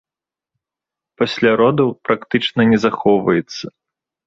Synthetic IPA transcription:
pasʲlʲaɾɔd̪ɐpɾakt̪ɨt͡ʂnɐnʲɛzaxɔwvɐjɛt̪sːɐ

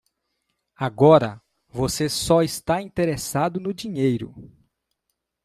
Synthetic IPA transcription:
aɡɔɾɐ̰ | vosesɔist̪aĩt̪eɾesad̪ʊnʊd͡ʒiɲejɾʊ̰

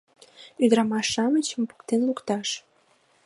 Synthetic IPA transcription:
yd̪əɾɑmɑʃːɑmət͡ɕəmpu̥kt̪enlukt̪ɑʃ

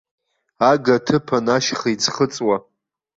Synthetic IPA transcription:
aɡatʰɨpʰanaʃχit͡sʰχət͡sʼwa

